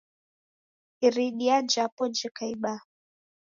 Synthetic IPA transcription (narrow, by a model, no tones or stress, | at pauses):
iɾiɗiand͡ʒapɔnd͡ʒɛkaiɓa